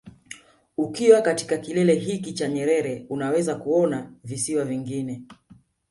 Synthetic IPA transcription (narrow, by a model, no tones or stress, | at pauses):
ukiwakati̥kakilɛlɛɦikit͡ʃaɲɛɾɛɾɛunawɛzakuɔnavisiwaviŋɡinɛ